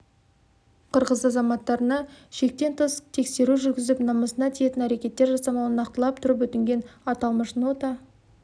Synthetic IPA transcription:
qʰəɾʁəzɑzɑmɑt̪ːɑɾənɑʃe̞k̚t̪e̞nt̪ʰəst̪ʰe̞kse̞ɾuʒʏɾɡʲɪzɪpnɑməsənɑt̪ʰije̞t̪ɪnæɾe̞kʲe̞t̪ːe̞ɾʒɑsɑmɑwənɑq̚t̪əlˠɑp̚t̪ʰʊɾəp̬wɵt̪ɪŋɡʲe̞nɑt̪ɑlˠməʃnot̪ɑ

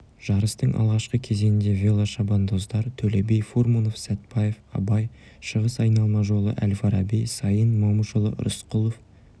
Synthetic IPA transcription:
ʒ̥ɑɾəst̪əɴʔɑ̰lˠʁɑʃqəkʲʰe̞ze̞nɪnd̪e̞vʲe̞lˠaʃɑbɑnd̪o̞zd̪ɑɾt̪ʰɵlebe̞jfoɾmuno̞fsæt̪pɑje̞fɑ̰bɑj | ʃəʁəsɑjnɑlˠmɑʒo̞lˠə̰ʔælfɑɾɑbejsɑjənmɑmuʃəlˠə̰ɾʊ̰sqʊlˠof

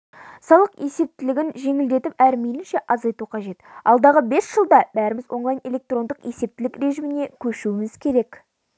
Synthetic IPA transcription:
sɑlˠəqje̞se̞p̚t̪ɪlɪɡʲɪnʒe̞ŋɪld̪e̞t̪ɪpæɾmelɪnʃe̞ʔɑzɑjt̪uqʰɑʒe̞t̪ɑlˠd̪ɑʁəbe̞sʒ̥əlˠd̪ɑbæɾɪmɪzwʔo̞ɴlˠɑjne̞lʲe̞k̚t̪ro̞nd̪əqje̞se̞p̚t̪ɪlɪkɾe̞ʒimɪne̞kʲʰɵʃuwɪmɪz̥kʲʰe̞ɾe̞k

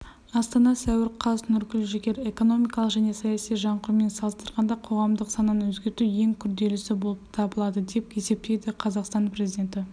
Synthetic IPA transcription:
ɑst̪ɑnɑsæwɪɾqʰɑsnʏɾkʲɪlʒekʲe̞ɾe̞ko̞no̞mijkɑlˠəqʒæne̞sɑjɑsijʒɑɴqʊɾme̞nsɑlˠəst̪əɾʁɑnd̪ɑqʰo̞ʁɑmd̪əqsɑnːənwɵzɡʲe̞ɾt̪uwje̞ŋkʲʰʏɾd̪e̞lɪsɪbo̞lˠəpt̪ʰɑbəlˠɑd̪əd̪e̞p̚e̞se̞p̚t̪e̞jd̪ɪqʰɑzɑqst̪ɑnpɾe̞zʲid̪ʲe̞nt̪ɪ

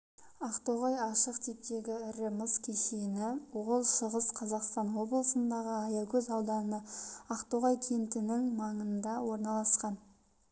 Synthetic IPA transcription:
ɑqt̪oʁɑjɑʃəqt̪ʰep̚t̪e̞ɡʲɪʏɾɪməskʲʰeʃenɪwolˠʃəʁəzqʰɑzɑqst̪ɑnwo̞blˠəsənd̪ɑʁəɑjɑkʲʰɵzɑwd̪ɑnəɑqt̪oʁɑjt̪ʲʰent̪ɪnɪŋmɑɴənd̪ɑwo̞ɾnɑlˠɑsqɑn

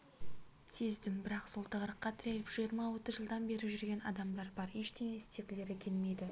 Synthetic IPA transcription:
se̞zd̪ɪmbɪɾɑqso̞lˠt̪əʁɾəqːɑt̪ʰɪɾe̞lɪpʒ̥ijəɾmɑwo̞t̪əzʒəlˠd̪ɑnbe̞ɾɪʒʏɾɡʲe̞nɑ̰d̪ɑmd̪ɑɾbɑɾeʃt̪e̞meɪst̪e̞kʲɪle̞ɾekʲʰe̞nɪne̞d̪ɪ

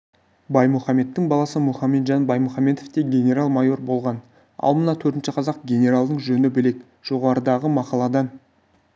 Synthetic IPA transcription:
bɑjmuχɑme̞t̪ːɪŋbɑlˠɑsəmuχɑme̞t̪ʒɑnbɑjmuχɑme̞t̪oft̪e̞ɡʲe̞nʲe̞ɾalˠmɑjo̞rbo̞lˠʁɑn | ɑ̰lˠmənɑt̪ʰɵɾt̪ɪnʃɪqʰɑzɑqɡʲe̞nʲe̞ɾalˠd̪əɴʒɵnɪbɪle̞k | ʒ̥o̞ʁɑɾəd̪ɑʁəmɑqɑlˠɑd̪ɑn

